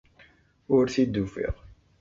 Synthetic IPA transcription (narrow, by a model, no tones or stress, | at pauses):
ʊɾθid̪ːufḭʁ